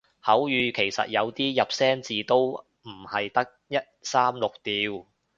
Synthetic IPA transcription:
hɐ˨˥wjyː˨˧kʰe˨˩jsɐ̰˨t̚jɐ˨˧wt̪iː˥jɐ˨p̚sɛː˥nt͡siː˨t̪o˥w | m̩˨˩hɐ˨jt̪ɐ˥k̚jɐ˥t̚saː˥mlʊ˨k̚t̪iː˨˧w

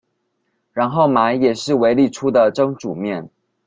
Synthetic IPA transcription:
ɻa˧˥nxo˥˩ʊma˧˥ɪjɛ˨˩ʂɻ̩˥˩we˧˥ɪli˥˩ʈ͡ʂʰu˥d̪ə˨ʈ͡ʂɤ˥ŋʈ͡ʂu˨˩mjɛ˥˩n

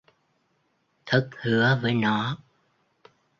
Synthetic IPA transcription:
t̪ʰɨ˦˥k̚hɨ˨˦əvəː˨˦jnɔ˨˦

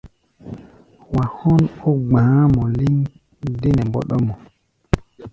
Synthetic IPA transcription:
wa˨hɔ˦no˦ɡ͡bãː˨˦mɔ˨li˦ŋ | de˦nɛ˨mbɔ̰˦ɗɔ˦mɔ˨

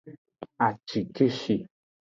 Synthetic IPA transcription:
a˨t͡ʃi˨ke˦ʃi˨

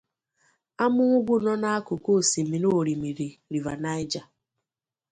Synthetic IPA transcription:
a˦mʊ˦ŋʷʊ˦ɡ͡bʷʊ˦nɔ˦na˦a˦kʊ˨ko˦˨si˨mi˨no˦˨ɾi˨mi˨ɾi˨ɾi˨va˨na˦ɪ˦d͡ʒa˨

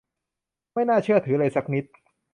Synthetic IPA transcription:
ma˥˩jnaː˥˩t͡ɕʰɯ˥˩ɐt̪ʰɯː˩˦ɾa˧jsa˦˥k̚ni˦˥t̪̚

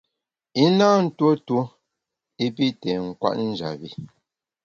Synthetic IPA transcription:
i˦naː˦n̩˦two˦two˦ | i˦p̬i˦tɛ˨ŋ̩˨kwa̰˦ʔn̩˦d͡ʒa̰˨bi˨

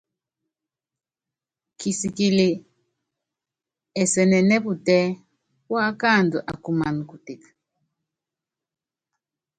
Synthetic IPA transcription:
kʰi˨si˨ki˨li˨ | ɛ˨sɛ˨nɛ˨nɛ˦bu˨tɛ˦ | wa˦ka˦˨ndu˨ʔa˨ku˨ma˨n˨ku˨ti˨kḁ

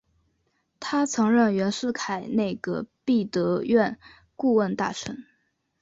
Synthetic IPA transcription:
t̪ʰa˥t͡sʰɤ˧˥ŋɻə˥˩ŋɥɛ˧˥nʂɻ̩˥˩kʰa˨˩ɪne˥˩ɪɡə˩pi˥˩t̪ɤ˧˥ɥɛ˥˧n | ku˥˧wə˥˧nt̪a˥˩ʈ͡ʂʰə̰˧˥ŋ

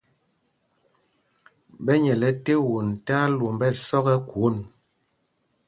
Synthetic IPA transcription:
ɓɛ˦ɲɛ˨lɛ˨te˦wu˨n˨ta˦lu˨mbɛ˦sɔ˦ɣɛ˦kwo˦˨n

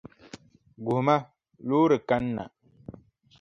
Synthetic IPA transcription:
ɡu˨ma˦ | luː˦ɾɨ˨ka˦nː˦a̰˨

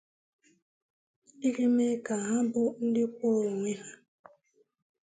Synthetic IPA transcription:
i˦ɣi˦me˦ka˨ɦa˦bʊ˦n̩˦dɪ˦kʷo˦˨o˨ŋʷe˦ɦa˦

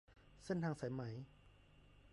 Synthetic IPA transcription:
se˥˨nt̪ʰaː˧ŋsa˨˦jma˩˦j

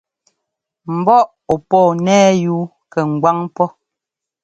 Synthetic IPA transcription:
m̩˨bɔ˦ʔ | ɔ˨pɔː˦˨nɛː˦juː˦ | kɛ˨ŋ̩˨ɡwa˦ŋpɔ˦

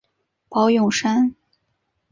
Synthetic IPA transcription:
pɑ˧˥ʊjʊ˨˩ŋʂa˥n

